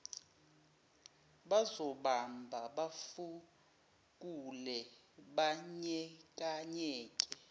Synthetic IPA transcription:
ɓazɔɓambʱaɓafu | k̬ʼulɛ | ɓaɲɛk̬ʼaɲɛːkʼɛ

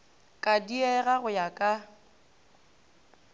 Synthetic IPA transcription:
kʼadiɛɣaɣʊjakʼa

